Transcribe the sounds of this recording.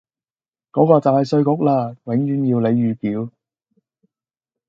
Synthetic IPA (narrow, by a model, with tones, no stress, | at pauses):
kɔː˨˥kɔː˧t͡saː˨jsɵ˧ɥkʊ˨˥k̚laː˧wɪ˨˥ŋjyː˨˧˥njiː˧wle˨˧jːyː˨˧kiː˨˥w